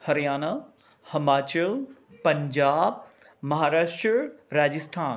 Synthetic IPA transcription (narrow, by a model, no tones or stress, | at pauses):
hɐɾijaːna | hɐmaːt͡ɕəlpɐ̃ɲd͡ʑaːb̚ | mɐɦaːɾaːʃʈɾɾaːd͡ʑɪst̪ʰaːn